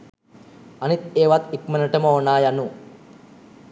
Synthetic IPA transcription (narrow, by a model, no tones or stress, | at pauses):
ɐnit̪eːʋɐt̪ikmɐnɐʈɐmɐonːaːjɐnːu